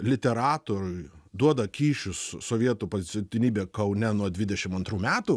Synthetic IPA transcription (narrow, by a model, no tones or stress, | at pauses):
lʲɪt̪ʲɛɾɑːt̪oːɾʊɪd̪uɔd̪ɐkʲiːʃʲʊssoːʋʲiɛt̪uːpozʲɪt͡s̪ʲɪt̪ʲɪnʲiːbʲeːkɐʊnʲɛnuɔd̪ʲʋʲɪd̪ʲɛʃʲɪmɐnt̪ɾuːmʲæːt̪uː